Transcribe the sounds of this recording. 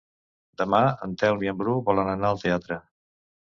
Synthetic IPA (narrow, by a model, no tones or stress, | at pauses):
d̪əmaə̰nt̪ɛwniəmbɾuβɔlənənaəlˠt̪eat̪ɾə